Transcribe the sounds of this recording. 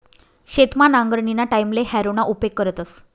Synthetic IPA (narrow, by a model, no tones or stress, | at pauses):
ɕet̪manaŋɡɾɳinaʈajmlehæɾonaʔupekːəɾət̪əs